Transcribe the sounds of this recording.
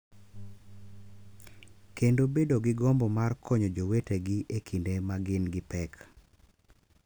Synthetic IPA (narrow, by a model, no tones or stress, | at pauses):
kendobedoɡɪɡɔmbɔmarkʰɔɲod͡ʒoweteɡiʔekʰindemaɡɪnɡɪpɛk